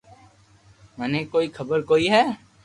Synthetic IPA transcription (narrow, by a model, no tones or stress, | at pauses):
mɛːnekoːikʰəbəɾkoːiɦɛː